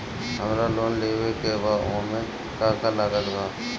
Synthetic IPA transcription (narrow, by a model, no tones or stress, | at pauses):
ɦəmɾaloːnleːwekebaõmẽ | kaːkalaɡəd̪ɡaː